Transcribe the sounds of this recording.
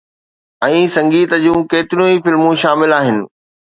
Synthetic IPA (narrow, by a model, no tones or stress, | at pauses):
ɛ̃ːsɐ̃ŋɡiːt̪əd͡ʑũːkeːt̪ɪɾijũifɪlmũʃaːmɪlaːɦɪnɪ̆